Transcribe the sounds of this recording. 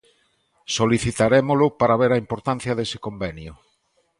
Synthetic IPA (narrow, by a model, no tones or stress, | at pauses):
soliθit̪aɾemolʊpaɾaβeɾaimpoɾt̪an̟θjɐðesɪkombenjʊ